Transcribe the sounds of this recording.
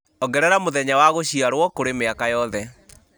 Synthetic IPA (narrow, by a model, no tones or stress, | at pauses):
ɔɡɛɾɛɾamoðɛɲawaɣoɕiaɾwɔkoɾemeakajɔðɛ